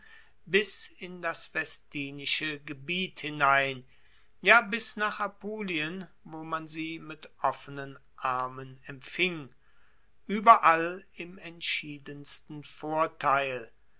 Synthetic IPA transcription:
bɪsɪndasv̥ɛstiːnɪʃəɡəbiːthɪnaɪn | jaːbɪsnaːχapoːliən | voːmanziːmɪtʔɔfənənʔaɐmənɛmfɪŋ | ʔyːbɐʔalɪmɛntʃiːdənstn̩foːɐtʰaɪl

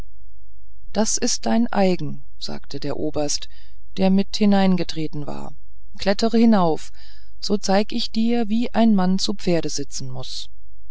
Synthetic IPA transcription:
d̥asɪst̚d̥aɪnʔa̰ɪɡŋ̩ | z̥a̰ːktʰədeːɐʔoːbɐst | d̥eːɐmɪthɪnaɪnɡətʁ̥eːtn̩va̰ːɐ | kʰl̥ɛtəʁəhɪnaʊf | z̥oːt͡saɪɡəɪçd̥iːɐviːʔaɪnmant͡supp͡feːɐɾəzɪt͡sn̩mʊs

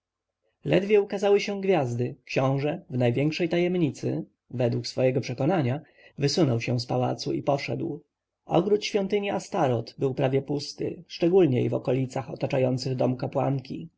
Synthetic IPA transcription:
lɛd̪vʲjɛukazawɘɕɛ̃ɡvʲjazd̪ɘkɕɔ̃w̃ʐɛvnajvʲjɛŋkʂɛjt̪ajɛmɲit̪sɘ̰ | vɛd̪wuksfɔjɛɡɔpʂɛkɔnaɲa | vɘsunɔwɕɛ̃spawa̰t̪suipɔʂɛ̰d̪w | ɔ̰ɡɾut̪ɕfʲjɔnt̪ɘɲiast̪aɾɔt̪bɘwpɾavʲjɛpust̪ɘ̰ʂt͡ʂɛɡulɲɛivɔ̰kɔlʲit̪saxɔt̪at͡ʂajɔnt̪sɘɣd̪ɔmukapwa̰ŋkʲḭ

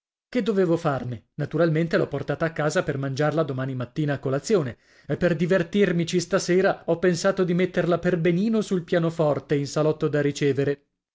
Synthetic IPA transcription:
ked̪ːoveːvofarne | nat̪uɾalment̪elɔpːort̪aːt̪aːkːaːzapermand͡ʒarlad̪omaːnimat̪ːiːnaːkːolat̪sːjoːne | epːerd̪ivert̪irmit͡ʃist̪aseːɾaɔpːensaːt̪od̪imet̪ːerlaperbeniːnosulpjaːnofɔrt̪einsalɔt̪ːod̪arit͡ʃeːveɾe

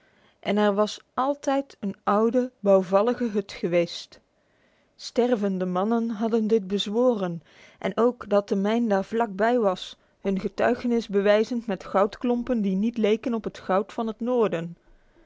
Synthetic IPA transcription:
ʔɛnɛɹʋɑsɑlˠtɛjtənɑwdəbɑwvɑləχəɦɵtχəʋejst | stɛrvəndəmɑnənɦɑdəndɪt̚bəzʋoːrən | ʔɛ̰nʔowkdɑt̚əmɛjndaːɹvlɑk̚bɛjʋɑs | hɵnχətœ̰ɥχənɪzbəʋɛjzəntmɛtχɑwtklɔmpəndinitlejkənɔpɦətχɑwtfɑnɦətnoːɹdən

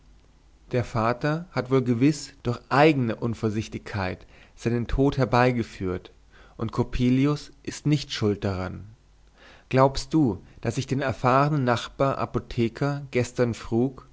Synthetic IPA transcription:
d̥eːɐfaːtɐhatv̥oːlɡəvɪsd̥ʊɐçʔaɪɡənəʔʊnfoːɐzɪçtɪçkʰːaɪtz̥aɪnəntʰoːthɛɐbaɪɡəfyːɐt | ʔʊntkʰopʰiːliʊsʔɪstnɪçtʃʊlt̚d̥aʁan | ɡ̥laʊpst̚d̥uːd̥asɪçd̥eːnɛɐfaːʁənənːaχb̥aːɐʔa̰potʰɛːkʰɐɡ̥ɛstɐnfʁ̥uːk

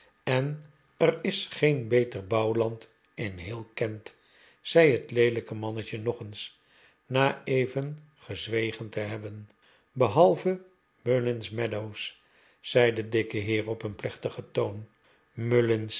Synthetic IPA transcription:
ɛn | ərɪsχejnbejtərbɑwlɑnt | ɪnɦɪːlˠkɛnt | z̥ɛjɦətlejləkəmɑnəcənɔχəns | naːejvən | χəzʋejχəntəɦɛbən | bəɦɑlˠvə | mølɪnsmɛdows | z̥ɛjdədɪkəɦɪːrɔpənplɛχtəχətown | mølɪns

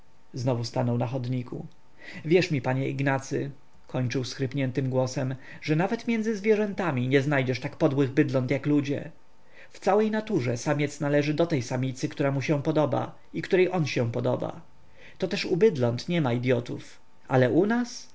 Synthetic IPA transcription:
znɔvust̪anɔwnaxɔd̪ɲikʰṵ | vʲjɛʂmʲipaɲɛʔiɡnat̪sɘ̰ | kʰɔɲt͡ʂɘwsxɾɘpɲɛnt̪ɘmɡwɔsɛm | ʐɛnavɛt̪mʲjɛnd̪zɘzvʲjɛʐɛnt̪amʲiɲɛznajd͡ʑɛʂt̪akpɔd̪wɘɣbɘd̪lɔnt̪jaklud͡ʑɛ̰ | ft̪sawɛjnat̪uʐɛsamʲɛt̪snalɛʐɘd̪ɔt̪ɛjsamʲit̪sɘkt̪uɾamuɕɛ̃pɔd̪ɔba̰ | ikt̪uɾɛjʔɔnɕɛ̃pɔd̪ɔba̰ | t̪ɔt̪ɛʂubɘd̪lɔnt̪ɲɛmaid̪ʲjɔt̪uf | ʔa̰lɛʔunas

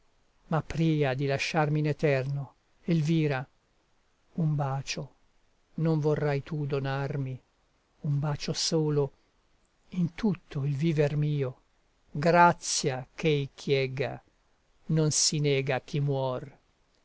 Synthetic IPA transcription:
mapːɾiːad̪ilaʃːarminet̪ɛrno | elviːɾa | umbaːt͡ʃo | noɱvorːajt̪ud̪onarmi | umbaːt͡ʃosoːlo | int̪ut̪ʰːoilviːvermiːo | ɡɾat̪sːjakʰejkʰjɛɡa̰ | nonsinɛːɡak̟imwɔr

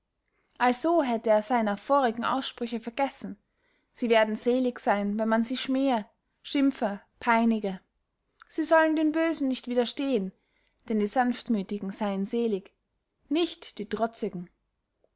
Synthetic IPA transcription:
ʔalz̥oːɦɛtəeːɐz̥aɪnɐfoːʁɪɡŋ̩ʔa̰ʊsʃpʁ̥ʏçəfɛɐɡ̥ɛsn̩ | z̥iːveːɐdn̩z̥eːlɪçz̥aɪnvɛnmanziːʃmeːə | ʃɪmfə | pʰaɪnɪɡə | z̥iːzɔləndeːnbøːzn̩nɪçtv̥iːdɐʃteːən | d̥ɛndiːzanftmyːtɪɡŋ̩z̥aɪənzeːlɪç | nɪçtd̥iːdʁ̥ɔt͡sɪɡŋ̩

